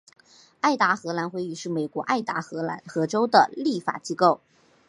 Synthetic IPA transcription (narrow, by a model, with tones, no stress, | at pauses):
a˥˩ɪt̪a˧˥xɤ˧˥la˧˥nxwe˥˧ɪi˥˧ʂɻ̩˥˩me˨˩ɪkwɔ˧˥ʔa˥˩ɪt̪a˧˥xɤ˧˥la˧˥nxɤ˧˥ʈ͡ʂo˥ʊd̪ə̰˨li˥˩fa̰˨˩t͡ɕi˥ko˥˩ʊ